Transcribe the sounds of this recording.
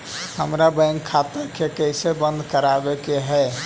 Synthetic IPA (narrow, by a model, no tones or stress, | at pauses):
həmɾabə̃ɪŋkkʰːat̪əɾkekəɪsebə̃nd̪ʱkəɾabekeɦɛ